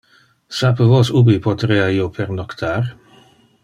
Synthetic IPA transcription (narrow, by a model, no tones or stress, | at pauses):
sapəvosubipot̪ɾeːaiːopʰɛɾnɔkt̪ʰaːr